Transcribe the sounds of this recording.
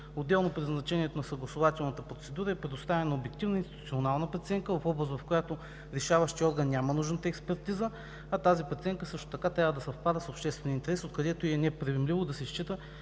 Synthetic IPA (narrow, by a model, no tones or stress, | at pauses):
od̪ːɛlˠnopɾiznɐt͡ʃɛniɛt̪onɐsɐɡlˠɐsʊvat̪ɛlˠnət̪əpɾot̪sɛd̪uɾəɛpɾʲɛd̪ʊst̪avɛnɐobjɛk̚t̪ivnəinst̪it̪tu̥t̪ionalˠnəpɐt̪sɛŋkəvɐfɔbɾəs̬vɐfkojat̪o | ɾɛʃavəʃt̪iɔɾɡənːʲamənuʒnət̪əɛkspɛɾt̪izə | ɐt̪azipɐt̪siɛŋkəsɤʃt̪o̥t̪ɐkat̪ɾʲavəd̪ɐsɐfpad̪əsopʃt̪ɛst̪vɛniəint̪ɛɾɛsot̪̚kɐd̪ɛt̪ʊiɛnɛpɾivɛmlivod̪ɐsɛʃt͡ʃit̪ə